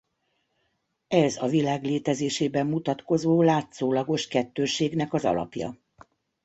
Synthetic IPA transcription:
ɛzɒvilaːɡleːt̪ɛzeːʃeːbɛmːut̪ɒt̪ko̞zoːlaːt̪soːlɒɡo̞ʃkɛt̪ːøːʃeːɡnɛkɒzɒ̰lɒ̰pjɒ̰

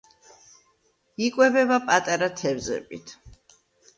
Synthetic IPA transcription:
ikʼwɛbɛbapʼat̪ʼaɾat̪ʰɛvzɛ̰bʼit̪ʰ

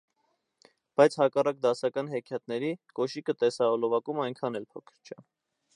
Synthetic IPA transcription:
b̥ɑjt͡sʰhɑkɑrɑk̚d̪ɑsɑkɑnɦɛkʰjɑt̪̚nɛɾikɔʃikət̪ɛsɑɔlɔvɑkumɑjŋkʰɑnɛlpʰɔkʰə̥ɾt͡ʃʰə

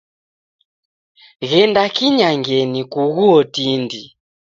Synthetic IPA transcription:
ɣɛndakiɲaŋɡɛnikuɣuɔtindi

